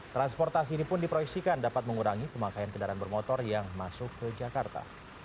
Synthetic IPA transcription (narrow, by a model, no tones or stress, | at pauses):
t̪ɾanspɔrt̪as̬iːɾipʊndipɾoiksikandapat̪̚məŋuɾaŋipəmakajankədaɾanbərmɔt̪ɔrjaŋmasʊkːəd͡ʒakart̪a̰